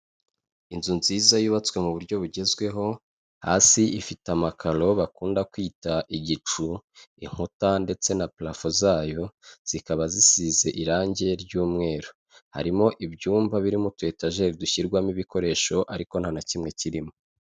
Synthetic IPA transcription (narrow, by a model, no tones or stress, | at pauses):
inzunziːzajuːβat͡swe̞muβuɾɟo̞βuɟe̞zɡwe̞ɦo̞ | ha̰ːsiʔifitamakalo̞βakuːndakwiːtaʔiɟit͡ʃuiŋ̥hutande̞t͡se̞naplafozaːjo̞z̥ikaβazisiːze̞ʔiɾaːɲɟe̞ɾɟuːmŋe̞ːɾo | ha̰ɾimo̞ʔibɟuːmvaβiɾimutwe̞ːtaʒe̞ɾiduçiɾɡwamiβiko̞ɾe̞ːʃo̞ʔaɾiko̞n̥hanacimŋe̞ciɾimo